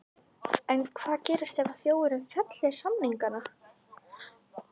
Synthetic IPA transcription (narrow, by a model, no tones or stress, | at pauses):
ɛnkʰvaːðcɛːɾɪst̪ɛvaθjoːwɪɾʏmfɛt̪lɛsamniŋkana